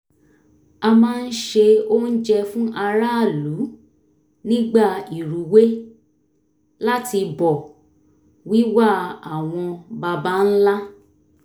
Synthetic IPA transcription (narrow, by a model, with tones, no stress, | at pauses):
a˧mãː˦˧n̩˦ʃe˧o˦n̩˦d͡ʒɛ˧fũ˦ʔa˧ɾa˦˨lu˨˦ | nĩ˦ɡ͡ba˦˨i˨ɾu˨we˦ | la˦ti˧bɔ˨ | wi˦wa˦˨a˨w̃ɔ̃˧ba˧ba˦n̩˦la˦